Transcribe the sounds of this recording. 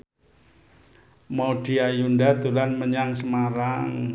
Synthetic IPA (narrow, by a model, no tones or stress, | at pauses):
mod̥iajundad̪ulanməɲaŋsəmaɾaŋ